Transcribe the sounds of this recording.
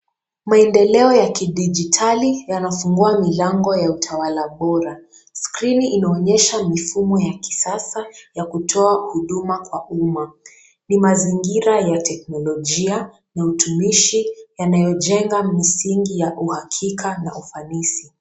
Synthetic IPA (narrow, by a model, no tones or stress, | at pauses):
maɛndɛlɛɔjakiɗid͡ʒitʰalijanafuŋɡuamilaŋɡɔjautʰawalaɓɔɾa | skɾiniʔinaɔɲɛʃamifumɔjaki̥sasajakutʰɔahuɗumakwaʔuma | nimaziŋɡiɾajatʰɛk̚nɔlɔʄia | nautumiʃijanajɔʄɛŋɡamisiŋɡijaʔuhakʰikʰanaʔufanisi